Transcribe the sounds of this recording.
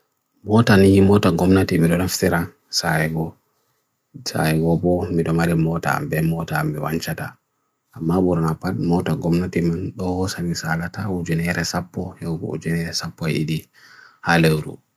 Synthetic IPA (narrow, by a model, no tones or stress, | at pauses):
mɔtanijimɔtaɡɔmnatimiɗɔnaftiɾa | saɛɡɔ | sa̰ɛɡɔbɔmiɗɔmaɾimɔta̰a̰mbɛmɔtaːmbɛwaɲt͡ʃata̰ | ʔamːabuɾanapatmɔtaɡɔmnatimanɗɔhɔsamisalatawud͡ʒunɛɾɛsapːɔhɛɡɔ̰ṵd͡ʒunɛɾɛsapːɔɛ̰iɗi | halewɾṵ